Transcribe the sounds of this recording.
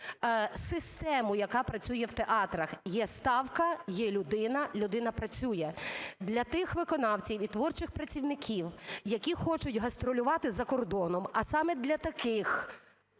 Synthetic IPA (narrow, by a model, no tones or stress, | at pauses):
sɪst̪ɛmʊjɐkɑpɾɐt͡sʲujɛwt̪eʔɑt̪ɾɐxjɛst̪ɑwkɐjɛlʲʊd̪ɪnɐlʲʊd̪ɪnɐpɾɐt͡sʲujɛd̪lʲɐt̪ɪxʋɪkɔnɑwt͡sʲiwit̪ʋɔrt͡ʃɪxpɾɐt͡sʲiwnɪkʲiwjɐkʲixɔt͡ʃʊtʲɦɐst̪ɾɔlʲʊʋɑt̪ɪzɐkɔrd̪ɔnɔmɐsɑmɛd̪lʲɐt̪ɐkɪx